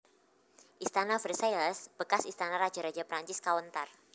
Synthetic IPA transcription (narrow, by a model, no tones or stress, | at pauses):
ʔist̪anafəɾsajləsb̥əkasist̪anaɾḁd͡ʒaɾḁd͡ʒapɾaɲt͡ʃɪskawənt̪ar